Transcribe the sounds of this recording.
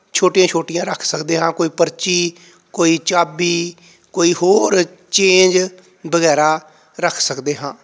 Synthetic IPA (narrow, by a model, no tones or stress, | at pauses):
t͡ʃʰoːʈɪjãːt͡ʃʰoːʈɪjãːɾəkʰsəkd̪eːɦãːkoːiːpəɾt͡ʃiː | koːiːt͡ʃaːbiː | koːiːhoːɾ | t͡ʃẽːnd͡ʒ | bəɣɛːɾaː | ɾəkʰsəkd̪eːɦãː